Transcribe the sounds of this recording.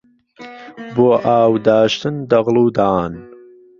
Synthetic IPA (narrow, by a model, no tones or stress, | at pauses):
boːʔaːwd̪aːʃt̪ʰɨnd̪ɐɣlˠuːd̪aːn